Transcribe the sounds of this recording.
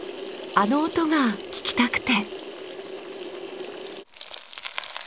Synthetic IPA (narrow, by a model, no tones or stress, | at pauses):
ano̞ːt̪o̞ɡakʲi̥kʲi̥t̪akɯ̟̥t̪e̞